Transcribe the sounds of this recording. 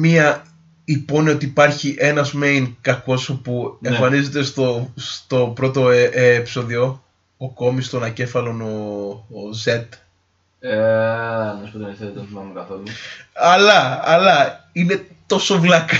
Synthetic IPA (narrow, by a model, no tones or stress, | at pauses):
miɐ | ipo̞nio̞t̪iːpɐɾçiʔe̞nɐzmejnkɐko̞sopueɱfɐnize̞t̪e̞st̪ost̪o̞pɾo̞t̪o̞eːpi̥so̞ðio̞ | oko̞mist̪onɐce̞fɐlo̞no̞ː | ze̞t̪ | e | mespot̪onɐset̪mɐnukɐθoluɐlɐɐlɐine̞t̪o̞sovlɐk